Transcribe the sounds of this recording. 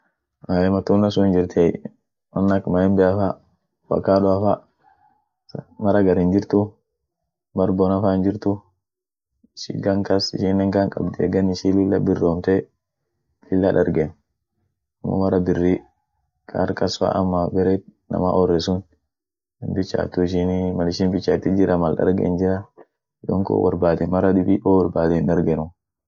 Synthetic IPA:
ajɛmat̪unasund͡ʒiɾt̪ʰaj̰ | manːakmaɛmbɛafa | wa̰kːaɗɔafa | maɾaɡaɾind͡ʒiɾt̪u | baɾbɔnafand͡ʒiɾt̪u | ʃḭɡaŋkasiʃinɛŋkankʼabd̪iɛ̰ɡaniʃilulːabirɔmt̪ɛ | fɪlːaᶑɐɾɡen | mɔ̰mɐɾɐbɪrːi | kʰʼa̰ɾkɐsfa̰ːʔɐmːabɛɾɛnɐ̰ma̰ʔɔrːɛsʊn | ɪnbɪt͡ʃːa̰ːt̪ʊɪʃ̬ɪnmɐlɪʃinbɪt͡ʃːaɪt̪ːɪd͡ʒɪɾɐmɐlɗɐ̰ɾɡɛ̰nd͡ʒɪɾɐ | d̪ɔ̰ŋko̰wɐɾbaːd̪ɛnmɐɾɐdʊbiʔoːwɐɾbaːd̪ɛnɗɐɾɡɛnʊ

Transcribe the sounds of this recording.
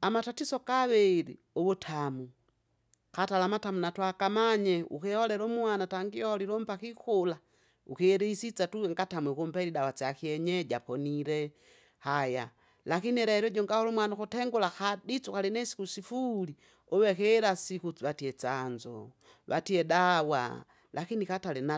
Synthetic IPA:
amatatisɔkaβɛɾi | ɔβutʰamu | katalamatamunatwakamaɲɛʔṵkɛhɔlɛɾɔmuanataŋɡiɔliɾɔmpakikula | ṵkiɛɾiisit͡satuɛŋɡatamwikumpɛɾidawat͡sakiɛɲɛɟapɔniɾɛ | haja̰ | lakiniɛɾɛɛɾɔɟɔŋɡahɔlumwanakɔtɛŋɡulaxadit͡sukalinɛsi̥kusifuli | ɔwɛkɛɾasikut͡siwatiɛt͡sand͡ʒɔ̰ | βatiɛdawa̰ | lʔakinikatalɛna

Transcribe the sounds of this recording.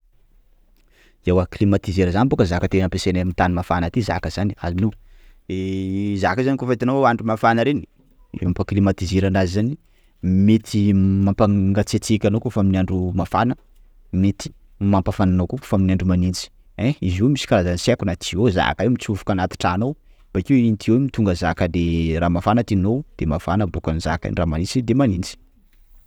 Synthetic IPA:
ewaklimat̪izeɾəzanibokəzakət̪enəpesenamit̪animafanat̪iza̰kəz̥ania̰linuezakəzanikufait̪anoaɳɖ͡ʐumafanəɾeni | ampaklimat̪izeɾanazizani | met̪ʰimampaŋɡat͡set͡sikʲanokufaminiaɳɖ͡ʐumafanə | met̪i̥ | mampafananoku̥faminiaɳɖ͡ʐumanint͡si̥ | ɛ̃izomisi̥kaɾazanisakunat̪ʰioza̰kaemit͡sufu̥kanat̪i̥ʈ͡ʂaːnow | b̥akewint̪ʰiewemit̪uŋɡəzakəd̪eɾamafanət̪inowd̪̥emafanəbukaniza̰ka̰niramanint͡sid̪emanint͡si̥

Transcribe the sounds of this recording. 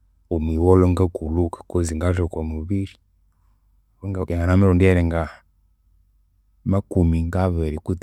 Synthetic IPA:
umiwɔlɔŋɡakulukḁkɔziŋɡaʒɔkwamuβiɾi | wɔŋɡakɛŋanamɛɾɔndiaɾɛŋɡa | makumiŋɡaβɛɾikut

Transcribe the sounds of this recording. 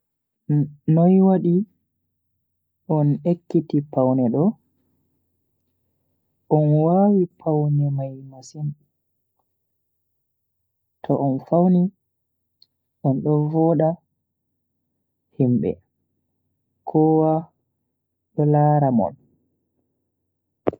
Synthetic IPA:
nɔjwaɗi | ʔɔnekːitipawnɛɗɔ | ʔɔnwawipʰawnɛmajmasin | tʰɔʔɔnfawni | ʔɔnɗɔvɔːɗa | himɓɛ̰ | kʰɔwa | ɗɔlaɾamɔ̰l

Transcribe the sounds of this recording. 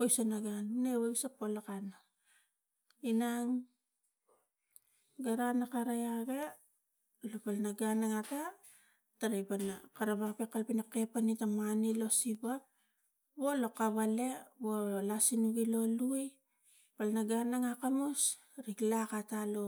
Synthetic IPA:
ojsonaɡannewesapolakana | inaŋ | ɡaɾanakaɾajaɡe̞ | lopalnaɡanaŋata | taɾajpanakaɾaβakpekalpinake̞panitamanilo̞siba | βo̞lo̞kaβale̞βolasinuɡilo̞luj | palnaɡanaŋakamos | ɾiklakatalo̞

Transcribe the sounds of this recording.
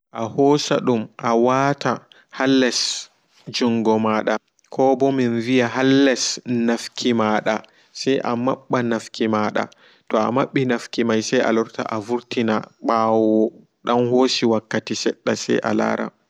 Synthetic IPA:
ʔahɔːsa̰ɗumʔawatʰa | halːɛs | d͡ʒuŋɡɔmaɗa | kʰɔbɔminvijaɦalːɛsnafkʰimaːɗa | sɛjʔama̰ɓːanafkʰimaɗa̰ | tɔa̰maɓːinafkimajsɛjʔa̰lɔɾta̰ʔavuɾtinaɓaːwɔ | ɗanhoːsiwakːatisɛ̰ɗːasɛ̰jʔa̰la̰ːɾa̰

